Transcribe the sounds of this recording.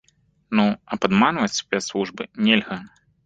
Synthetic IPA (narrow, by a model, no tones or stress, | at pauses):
nuɐpad̪manvɐt͡sʲsʲpʲɛt̪slˠuʐbɨnʲelʲɣɐ